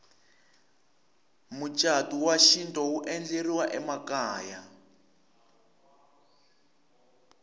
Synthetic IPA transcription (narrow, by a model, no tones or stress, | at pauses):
mut͡ʃʼatuwaʃintʼɔuʔɛnd͡ɮeriwaʔɛmakaːja